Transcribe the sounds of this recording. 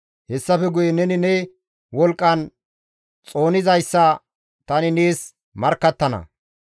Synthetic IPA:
hɛsːɐfɛɡʊjɛnɛnɪnɛ | wɔlkʼːɐn | t͡sʼo̞ːnɪzɐjsːɐ | t̪ɐnɪneːs | mɐɾkːɐt̪ːɐnɐ̰

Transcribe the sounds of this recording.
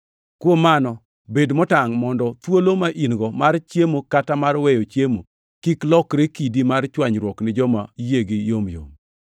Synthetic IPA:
kwomanɔ | bedmɔtaŋmɔndɔt̪wolomaʔinɡɔmart͡ʃjemokatamarwɛjot͡ʃjemo | kiklɔkɾekidimart͡ʃwaɲɾwɔknɪd͡ʒɔmajeɡijomjo̰m

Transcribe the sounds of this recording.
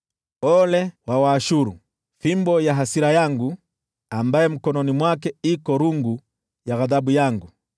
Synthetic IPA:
ɔlɛwawaːʃuɾṵ | fimbɔjaɦasiɾajaŋɡu | ambajɛm̩kɔnɔnimwakɛikɔɾuŋɡu | jaɣaðaɓujaŋɡu

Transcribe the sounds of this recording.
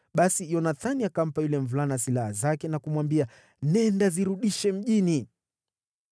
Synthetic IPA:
ɓasijɔnaθaniakam̩pajulɛɱvulanasilahazakɛnakumwambia | nɛndaziɾuɗiʃɛm̩ʄini

